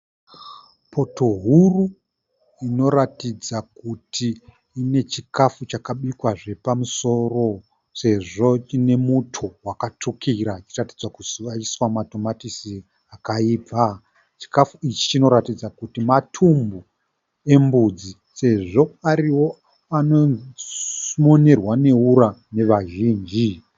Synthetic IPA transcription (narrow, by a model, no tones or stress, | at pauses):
pʰo̞to̞ɦuru | ino̞ɾatid͡zakutʰiː | ne̞t͡ʃikafut͡ʃakaɓikwaʐe̞pamuso̞ro̞ | se̞ʐo̞t͡ʃine̞mutʰuwakat͡ʂukʰiɾat͡ʃirati̥d͡zwakusaiswamato̞matisi | akaiːpa | t͡ʃi̥kafuit͡ʃi̥t͡ʃino̞ɾatid͡zakutimatʰumbu | e̞mbud͡zi | se̞ʐo̞aɾiwo̞ | ano | mo̞ne̞rwane̞uɾane̞ʋaʒiːnd͡ʒi